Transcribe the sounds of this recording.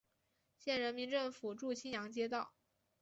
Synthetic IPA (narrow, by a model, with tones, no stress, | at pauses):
ɕjɛ˥˩nɻə˧˥nmi˧˥nʈ͡ʂɤ˥˩ŋfu˨˩ʈ͡ʂu˥˩t͡ɕʰi˥njɑ˧˥ŋt͡ɕjɛ˥t̪ɑ˥˩ʊ